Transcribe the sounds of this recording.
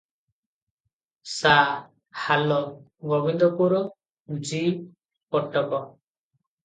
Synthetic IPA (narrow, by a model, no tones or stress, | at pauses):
sa | halɔ | ɡɔbind̪ɔpuɾɔ | d͡ʒi | pɔʈːɔkɔ